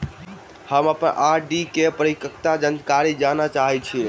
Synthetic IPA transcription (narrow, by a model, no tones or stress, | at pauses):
həməpənʔaɾɖikepɾəɾikəkt̪ad͡ʒənkaɾid͡ʒanat͡ʃaɦɛt͡ʃʰi